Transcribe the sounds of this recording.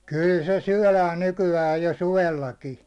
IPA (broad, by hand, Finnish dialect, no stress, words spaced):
kyˑl se syæ̹læːn nykyæj jo suʋelːɑki